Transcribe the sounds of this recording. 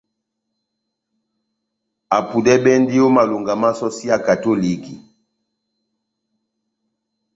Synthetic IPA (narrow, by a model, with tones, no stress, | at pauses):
a˨pu˨dɛ˦bɛ˦n˦di˦o˦ma˨lu˨ŋɡa˨ma˦sɔ˦si˦a˨ka˨to˦li˨ki˨